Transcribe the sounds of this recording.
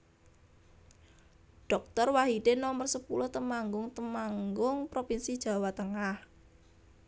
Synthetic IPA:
ɖ̥ɔk̚t̪ɔrwaɦid̥enɔmərsəpulʊht̪əmaŋɡʊŋt̪əmaŋɡʊŋpɾopinsid̥ʒ̥ä̤wat̪əŋah

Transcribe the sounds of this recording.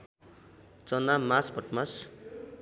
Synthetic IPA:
t͡sʌnamasbʱʌʈmas

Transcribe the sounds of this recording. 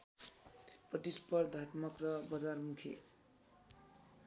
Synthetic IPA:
prʌt̪ispʌrd̪ʱaʈmʌkrʌbʌd͡zarmukʰḛ

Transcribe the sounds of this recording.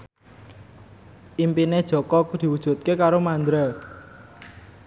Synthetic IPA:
ʔimpined̥ʒ̥ɔ̤kɔkd̪̥i̤wud̥ʒ̥ṳt̪̚kekaɾomand̪ɾa

